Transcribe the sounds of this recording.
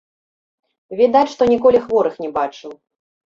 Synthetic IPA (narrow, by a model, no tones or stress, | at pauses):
vʲid̪at͡sʲʂt̪ɔnʲikɔlʲixvɔɾɨxnʲɛbat͡ʂɨw